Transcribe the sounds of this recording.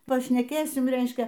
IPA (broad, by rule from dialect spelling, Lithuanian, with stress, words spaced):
pɐʃʲnʲɛˈkʲeːsʲɪm ˈrʲɛɪʃʲkʲɛ